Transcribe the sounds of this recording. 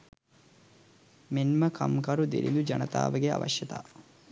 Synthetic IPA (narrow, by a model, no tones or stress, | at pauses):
menməkʰɐmkɐɾud̪eɾḭnd̪ud͡ʒɐnɐt̪a̰ːʋəɡea̰ʋɐ̰ʃjɐt̪a̰ː